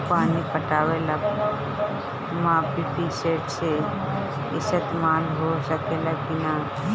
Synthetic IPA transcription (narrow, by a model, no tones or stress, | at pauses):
paːnipəʈaːʋela | mãːpipiseːʈse | ɪsət̪maːlɦosəkelakɪna